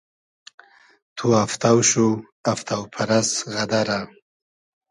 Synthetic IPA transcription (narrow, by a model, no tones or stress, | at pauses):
t̪ʰuaft̪awʃu | aft̪ʰawpʰaɾasɣad̪aɾa